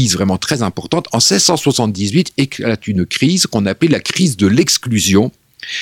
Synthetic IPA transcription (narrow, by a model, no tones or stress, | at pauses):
izvʁɛmɑ̃t̪χɛzɛ̃pɔʁt̪ɑ̃t̪ɑ̃sɛzsɑ̃swasɑ̃t̪̚d̪izɥit̪ʰeklat̪ynkχizkɔ̃naplelakχizd̪əlɛksklyzjɔ̃